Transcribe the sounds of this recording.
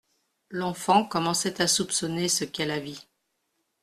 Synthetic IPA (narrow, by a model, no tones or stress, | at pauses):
lɑ̃fɑ̃kɔmɑ̃sɛt̪asupsɔnesəkɛlavi